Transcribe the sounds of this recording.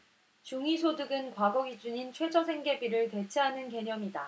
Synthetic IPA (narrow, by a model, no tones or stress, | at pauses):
t͡ɕuŋisʰodɯɡɯnkwaɡʌɡid͡ʑuɲint͡ɕʰwe̞d͡ʑʰʌsʰe̞ŋɡe̞biɾɯɭte̞t͡ɕʰeɦanɯnke̞ɲʌmida